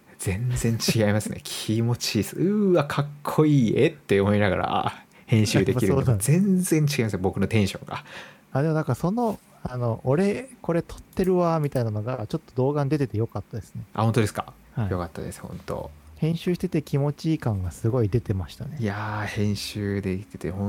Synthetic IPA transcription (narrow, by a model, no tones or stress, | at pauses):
z̥ẽ̞nzẽ̞ɲ̟t͡ɕiɡaimasɨɨnḛkʲʰimo̞t͡ɕisɨakʰakʰːo̞iːet̪ːe̞omo̞inaɡa̰ɾa̰ | hẽ̞ɕɨːd̪ekiɾɯoːzẽ̞nzẽ̞ɲ̟t͡ɕi̥ɡaimasɨbo̞kɯno̞t̪ẽ̞ɰ̃ɕõ̰ŋɡa̰ | ad̪emo̞nãŋkaso̞no̞ | ano̞ʔːɾe̞ko̞ɾe̞t̪ʰo̥t̪ːe̞ɾɯ̟βamʲit̪ainano̞ɡat͡ɕo̞t̪ːo̞d̪o̞ːɡãɲ̟id̪e̞t̪e̞t̪e̞jo̞kat̪ːad̪esɨ̥ne̞ʔa̰hõ̞nt̪o̞d̪e̞sɨ̥ka̰ | haijo̞kat̪ːad̪esɨ̥hõ̞nt̪o̞̰hẽ̞ɰ̃ɕɨːɕi̥t̪e̞t̪ekʲimo̞t͡ɕiːkãŋɡasɨɡo̞id̪e̞t̪e̞maɕi̥t̪ane̞ijahẽ̞ɰ̃ɕɨːd̪ekʲi̥t̪et̪ehõ